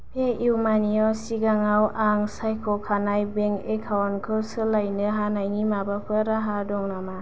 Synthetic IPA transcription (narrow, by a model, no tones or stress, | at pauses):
pʰeʔiwmaniɔsiɡaŋawʔaŋsajkʰɔkʰanajbeŋekʰawnkʰɯwsɯlajnɯɦanajŋimabapʰɯɾaɦadɔŋnama